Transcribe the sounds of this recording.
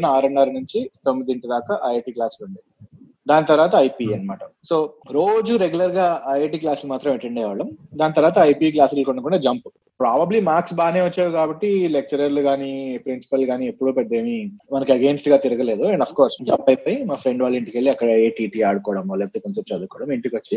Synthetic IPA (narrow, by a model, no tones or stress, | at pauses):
nɐaːɾɐɳɖɐːɾɐnuɲt͡ʃit̪o̞mːid̪iiɳʈud̪aːkɐʔɐjeːʈiːklaːsluɳɖi | d̪aːnit̪ɐɾʋaːt̪ɐːjpiɐnːɐmaːʈɐso̞ːɾo̞ːd͡ʒuɾeɡulɐɾɡaːɐjeʈiːklaːslumaːt̪ɾɐmeɳʈɐɳɖɛːʋɐːɽɐmd̪aːnɐt̪ɐɾʋaːt̪ɐɐjpik̬laːslkuɳːɖɐkuɳɖad͡ʒɐmpu̥ | pɾaːbɐblimaːɾksbaːneːʋɐt͡ʃːaːɾukaːbɐʈːilek̚t͡ʃɐɾɐɾluɡaːnipɾinsi̥pɐlɡaːniepːuɽuːpeɖd̪e̞ːmimɐnɐkɐɡeːnsʈɡaːt̪iɾɐɡɐle̞ːd̪uɐɳɖɐpʰkoːɾsd͡ʒɐmpɐjpɐjimaːfʰɾe̞ɳɖʋaːɭːiɳʈikeɭːiɐkːɐɽɐeːʈiːʈiːaːɽukɔːɽɐmolet̪ekɐnsepʈːaːd̪ukɔːɽɐmiɳʈikʋɐt͡ʃːi